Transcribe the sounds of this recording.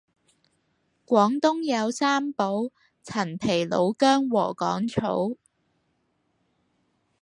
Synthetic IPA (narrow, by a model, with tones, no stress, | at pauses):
kʷwɔː˨˥ŋt̪ʊ˥ŋjɐ˨˧wsaː˥mpo˨˥w | t͡sʰɐ˨˩npʰe˨˩jlo˨˧wkœː˥ŋwɔː˨˩kɔː˨˥ŋt͡ʃʰo̰˨˥w